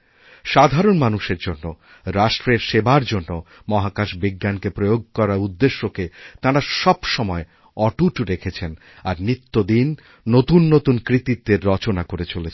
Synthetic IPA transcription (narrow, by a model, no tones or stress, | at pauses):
ʃad̪ʱaɾonmanuʃeɾd͡ʑonːo | ɾaʃʈɾeɾʃebaɾd͡ʑonːo | mɔɦakaʃbiɡːankepɾojoɡ̚kɔɾaɾud̪ːeʃːoket̪ãɾaʃɔbʃɔmɔe | ɔʈuʈɾekʰet͡ɕʰen | aɾnit̪ːod̪inː | ot̪unːot̪unkɾit̪it̪̚d̪eɾːɔt͡ɕonakoɾet͡ɕolet͡ɕʰ